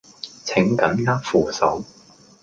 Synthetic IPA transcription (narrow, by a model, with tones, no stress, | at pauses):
t͡sʰɪ˨˥ŋkɐ˨˥nŋaː˥k̚fuː˨˩sɐ˨˥w